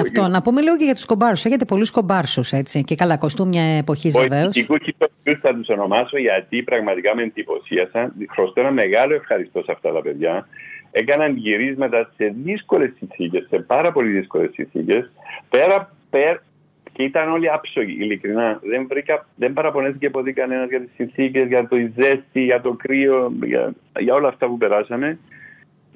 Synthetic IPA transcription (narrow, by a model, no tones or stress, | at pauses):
ɐft̪onɐpume̞liɣoceʝɐt̪u̥skobɐɾsuseçet̪̬epo̞lusko̞bɐɾsuse̞t͡sicekɐlɐkost̪umɲɐepo̞çizveveosikuiousθɐt̪uso̞no̞mɐsoʝɐt̪ipɾɐɣmɐt̪ikɐmend̪ipo̞̰siɐsɐnxɾost̪oenɐme̞ɣɐloe̞fxɐɾist̪o̞sɐft̪ɐt̪ɐpe̞ðʝɐe̞kɐnɐnʝiɾizmɐt̪ɐse̞ðisko̞le̞sːinθice̞sːe̞pɐɾɐpo̞liðisko̞le̞sːḭnθḭce̞spe̞ɾɐ | peɾ | cit̪ɐno̞liɐpsoʝḭʔːlikɾinɐðe̞ɱvɾikɐðembɐɾɐpo̞ne̞θicepo̞t̪ikɐne̞nɐzʝɐt̪i̥sːinθice̞zʝɐt̪o̞ize̞st̪iʝɐt̪o̞kɾio̞jɐ̰ | ʝɐo̞lɐːft̪ɐpupeɾɐsɐme̞